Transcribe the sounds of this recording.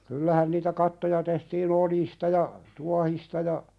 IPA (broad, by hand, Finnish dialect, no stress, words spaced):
kylːæhæn niːtæ kɑtːojɑ tehtiːn oljistɑ jɑ tuɑhistɑ jɑ